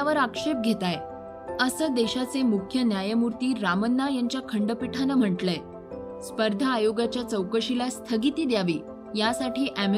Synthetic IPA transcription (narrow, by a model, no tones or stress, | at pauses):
aʋəɾakʂep̚ɡʱet̪aj | əsəːd̪eɕat͡semukʰjənjajəmuɾt̪iːɾamənːajaɲt͡ɕjakʰəɳɖəpiʈʰanəm̤əʈle | spəɾd̪ʱaːjoɡat͡ɕjat͡səwkəɕilast̪ʰəɡit̪iːd̪jaʋḭː | jasaʈʰiːʔæm